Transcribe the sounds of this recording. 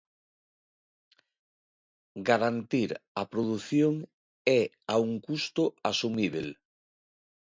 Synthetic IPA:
ɡaɾant̪iɾapɾoðuθjoŋ | ɛ | auŋkust̪ʊasumiβḛl

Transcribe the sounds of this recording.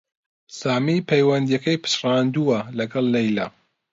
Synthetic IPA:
saːmipʰejwɐnd̪ijɐkɐjpʰɨ̥ʃrɑːnd̪uwɐlɐɡɐlˠːɐjla̰

